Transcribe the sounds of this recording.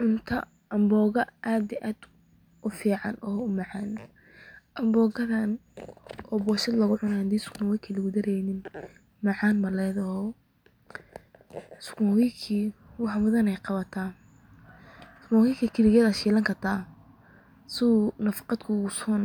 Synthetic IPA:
ʕʊnt̪ʰɐ | ɐmbɔːɣɐʔaːd̪ɪʔaːd̪ | ʔʊfiːʕɑ̰nʔɔːʊmɑʕɑːn | ʔɐmbɔːɣɐðɐn | ɔːbɔːʃɐd̪lɐɣʊʕʊnahɐd̪iːsʊ̥kʰmɔwɪkʰilɪɣʊd̪ɐɾɛjnɪn | mɑʕɑːnmɐlɛːðɐhɔ | skmɔwikʰiːwɑħɑmʊðɐnɛjqɑβɐt̪ʰaː | sʊ̥kmɔɣiːkʰɐkʰɪlɪɣɐðɐʃiːlɐŋkʰɐrt̪ʰaː | sɪnɐfɑ̥qɑd̪kʰʊɣʊsɔn

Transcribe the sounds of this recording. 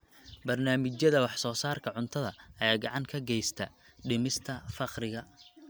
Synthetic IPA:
bɐrnaːmɪt͡ʃjɐðɐwɑħsɔːsaːrkʰɐʕʊnt̪ʰɐðɐɐjaːɡɑʕɑŋkʰɐɡɛjst̪ʰɐ | ɖɪmɪst̪ʰɐfɑqrɪɣɐ

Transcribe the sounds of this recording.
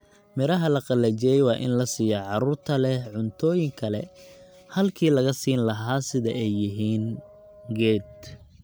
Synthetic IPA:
mɪɾɐɦɐlɐqɑlɐt͡ʃɛjɛjwɑːʔɪ̰nlɐsiːjɐʕɑɾuːrt̪ʰɐlɛhʕʊnt̪ʰɔːjɪŋkʰɐlɛ̰ | hɐlkʰiːlɐɣɐsiːnlɐɦaːsɪðɐɛjːɪɦiːn | ɡɛːd̪

